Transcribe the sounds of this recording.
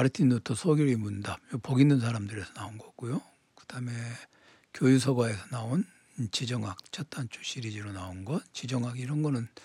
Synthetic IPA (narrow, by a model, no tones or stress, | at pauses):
aɾɯtʰinotʰosʰʌɡjʌɾimundajopʌɡinɯnsʰaɾamdɯɾe̞sʰʌnaunɡʌɡ͈ujo | kɯd̥ame̞ | kjojusʰʌɡwae̞sʰʌnaon | t͡ɕid͡ʑʌŋak̚t͡ɕʰat̚t͈ʰant͡ɕʰu̥ɕʰiɾid͡ʑiɾonaonɡʌnt͡ɕid͡ʑʌŋaɡiɾʌnɡʌnɯn